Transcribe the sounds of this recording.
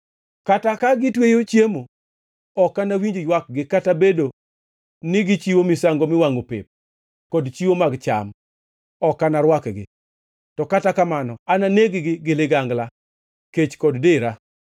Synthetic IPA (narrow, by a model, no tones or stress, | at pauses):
katakaɡɪtwejot͡ʃjemo | ɔkːanawiɲd͡ʒojwak̚ɡɪkatabedo | nɪɡɪt͡ʃiwomɪsaŋɡomɪwaŋopɪ̰p̚ | kɔdt͡ʃiwomaɡt͡ʃa̰m | ɔkanaɾwakɡɪ̰ | tɔkatakamanɔananeɡɪɡɪɡɪlɪɡaŋɡla | ket͡ʃkɔddɪɾa